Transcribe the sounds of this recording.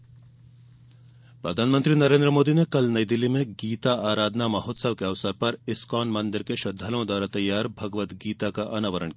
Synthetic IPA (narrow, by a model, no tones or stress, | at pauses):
pɾɐd̪ʱaːnmə̃nt̪ɾinɐɾẽːnd̪ɾəmoːd̪inekɐlnɐjd̪ɪlːimẽɡiːt̪aaːɾaːd̪namɐɦɔːt̪sɐʋkeɐʋsəɾpɐɾɪskɔːnmɐ̃nd̪ɪɾkeʃɐd̪ʱːalõd̪aːɾat̪ɐjːaːɾbʱɐɡʋət̪ɡiːt̪akaʔɐnaːʋəɾə̰ɳk